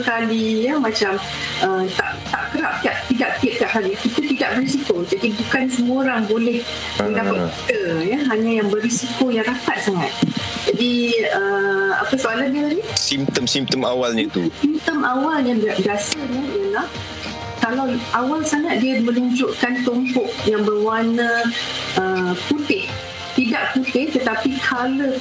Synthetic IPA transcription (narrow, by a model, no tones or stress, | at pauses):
kalijəmãt͡ʃam | ʔəmt̪a̰ʔt̪aʔkəɾap̚t̪iaʔ̚t̪idaʔ̚pɪt̪̚kaʔɦaɾikit̪ət̪idaʔ̚bəris̬ikod͡ʒadibukansəmuaoɾaŋbolɛh | mə̃ndapat̚ki̥t̪əjəɦaɲãjaŋbərisikojaŋɾakat̪̚saŋa̰t̪̚ | d͡ʒadiəa̰pəsəalandənisimt̪əmsimt̪əmawalɲət̪usimt̪əmʔawaljãŋbiaʔ̚biasəniijəlah | kalawʔawalsaŋat̪̚diamə̃nuɲd͡ʒʊʔkant̪ɔmpɔk̚jaŋbərwanə̃ | əput̪ɪh | t̪idaʔput̪ɪht̪ət̪apikʰalo